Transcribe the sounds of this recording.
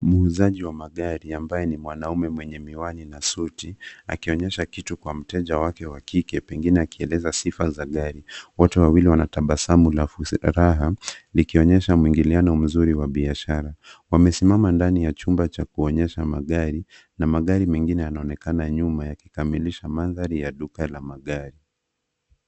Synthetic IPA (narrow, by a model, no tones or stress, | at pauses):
muuzaʄiwamaɠaɾiambajɛnimwanaumɛmwɛɲɛmiwaninasutia̰kiɔɲɛʃakitukwam̩tɛʄawakɛwakikɛpɛŋɡinɛakiɛlɛzasifazaɠaɾiwɔtuwawiliwanataɓasamulaɾaɦalikiɔɲɛʃamuiŋɡilianɔm̩zuɾiwaɓiaʃaɾawamɛsimamandanijat͡ʃumbat͡ʃakuɔɲɛʃamaɠaɾi | namaɠaɾimɛŋɡinɛjanaɔnɛkanaɲumajaki̥kamiliʃamanðaɾijaɗukalamaɠaɾi